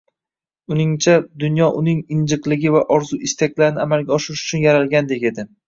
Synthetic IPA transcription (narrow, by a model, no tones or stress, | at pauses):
ʊnɪŋt͡ʃʰad̪ʊnjɒʔʊnɪŋɪnd͡ʒɨqlˠɪɡʲɪvaʔɒɾzuʔɪst̪akʲlaɾɪnɪamalɡʲaɒʃɪɾɪʃʊ̥t͡ʃʰʊnjaɾalɡʲand̪e̞kʲe̞d̪ɪ